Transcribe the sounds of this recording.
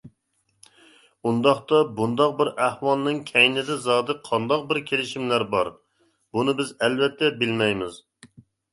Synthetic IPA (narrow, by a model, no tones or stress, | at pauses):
und̪ɑχt̪ɑbund̪ɑq̚bɪɾæhwɑlˠnɨŋkʲʰɛjnɪd̪ɛzɑːd̪ɨqʰɑnd̪ɑq̚bɪɾkʲʰelɪʃimlæɾbɑ̰ɾ | bunɨbɪzɛlvɛt̪ʰːɛbɪlmɛjmɪz